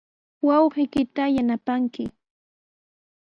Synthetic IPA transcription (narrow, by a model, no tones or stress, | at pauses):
wɑwɢɪkɪt̪ajanapaŋkɪ